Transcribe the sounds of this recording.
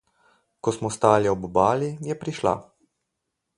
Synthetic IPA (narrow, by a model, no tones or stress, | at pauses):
kɔsmɔst̪aːliɔbbaːlijɛpɾiʃla̰